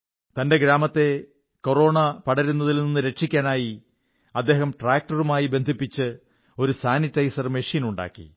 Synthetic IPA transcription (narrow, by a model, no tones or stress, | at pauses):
t̪ɐnde̞ɡɾaːmɐt̪ːe̞ | ko̞ro̞ːɳɐpɐɽɐɾunːɐðilninːɨɾe̞ʈʂikʲːaːnaːji | ɐd̪ːe̞ːhɐmʈraːk̚ʈɐrumaːjibe̞nd̪ʱipːit͡ɕːɨ | o̞ɾusaːnitːɐjsɐrmeʂiːnuɳɖa̰ːkːḭ